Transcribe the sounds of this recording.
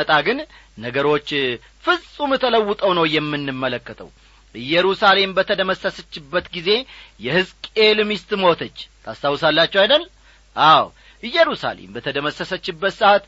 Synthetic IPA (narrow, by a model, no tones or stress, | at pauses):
ət̪ʼaɡɨn | nəɡəɾo̞t͡ʃː | fɨzʼumɨt̪ʰələwːʊt̪ʼəwnəwjɛmːɨnːɨmːələkːət̪ʰʼə̰w | ʔɨjːɛɾusale̞mbət̪ʰəd̪əməsəsət͡ʃːɪbːət̪ɡize̞jɛhɨzkʼelmist̪mo̞t̪ʰət͡ʃːt̪ʰast̪ʰawsalːat͡ʃːɛwajd̪əl | ʔaw | ʔɨjːɛɾusa̰lḛmbət̪ʰəd̪əməsəsət͡ʃːɪbːət̪sɨʔat̪